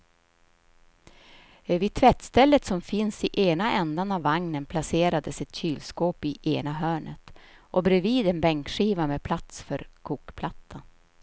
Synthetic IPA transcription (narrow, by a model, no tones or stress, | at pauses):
ɛvɪt̪ʰvɛt̪ːst̪ɛlːət̪sɔmfɪnsɪʔeːnaʔɛnd̪anavːaŋnənpʰlaseːɾad̪əsɛt̪ɕyːlskoːpɪʔeːnaɦœːɳət̪ʔɔbɾɛviːd̪ɛnbɛŋkɧiːvamɛpʰlat̪sfœɾkʰuːkpʰlat̪ʰːa